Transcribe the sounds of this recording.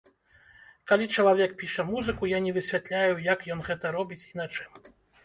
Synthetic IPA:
kalʲit͡ʂɐlˠavʲɛk̚pʲiʂɐmuzɨkujanʲɛvɨsʲvʲat̪lʲajujakjɔnɣɛt̪ɐɾɔbʲit͡sʲinat͡ʂɨm

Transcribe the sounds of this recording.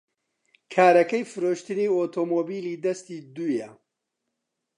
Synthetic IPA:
kʰaːɾɐkɐjfɨɾoːʃt̪ɨniːoːt̪ʰoːmoːbiːliːd̪ɐst̪iːd̪uːjɛ

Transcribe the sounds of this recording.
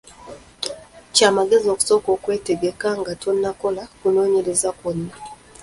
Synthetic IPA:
t͡ʃamaɡezoku̥sokokweteɡekaŋɡatonːakolakunoːɲelezakona

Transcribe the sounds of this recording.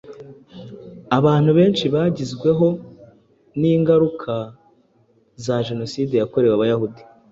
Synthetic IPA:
aβaːn̥huβe̞ːnʃiβaːɟizɡwe̞ɦo̞ | niːŋɡaɾukʰa | zaʒe̞no̞siːde̞jako̞ɾe̞waβajahudi

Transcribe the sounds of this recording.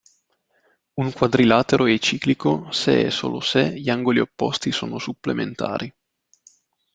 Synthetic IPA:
uŋkwad̪ɾilaːt̪eɾʔoɛt͡ʃiːklikosḛɛ̰so̰ːloseʎaŋɡoliopːɔst̪isoːnosupːlement̪a̰ːɾi

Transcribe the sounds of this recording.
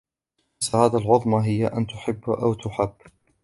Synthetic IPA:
sahaːðaːlʕʊðˤmaɦɪjːaʔant̪ʊħɪbːʔawt̪ʊħabː

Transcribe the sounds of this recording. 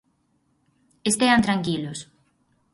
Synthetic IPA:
est̪eant̪ɾaŋkilʊs

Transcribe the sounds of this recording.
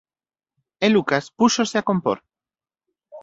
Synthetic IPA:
elukaspuso̞seako̞mpo̰ɾ

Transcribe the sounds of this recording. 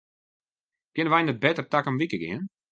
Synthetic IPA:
kɪnəʋɛjnət̚bɛtərtakəmʋikəɡɪ̰ən

